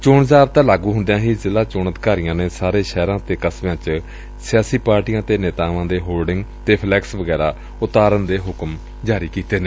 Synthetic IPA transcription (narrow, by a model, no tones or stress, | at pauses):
t͡ʃoːɳzaːbt̪ãːlaːɡũːɦʊnd̪ejãːɦiːzɪlaːt͡ʃʊːɳəd̪ɪkaːɾɪjãːneːsaːɾeːʃɛːɾãːt̪eːkəsʋjãːt͡ʃ | sɪjaːsiːpaːɾʈiːjãːt̪eːneːt̪aːʋãːd̪eːɦoːlɖɪŋɡt̪eːpʰlɛːksʋəɡɛːɾaː | ʊt̪aːɾənd̪eːɦʊkm | d͡ʒaːɾiːkiːt̪eːneː